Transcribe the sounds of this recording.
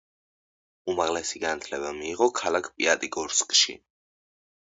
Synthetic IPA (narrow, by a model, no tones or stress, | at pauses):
umaʁlɛsiɡanat̪ʰlɛβamiːʁɔkʰalakʰpʼiat̪ʼikʼuɾskʼʃḭ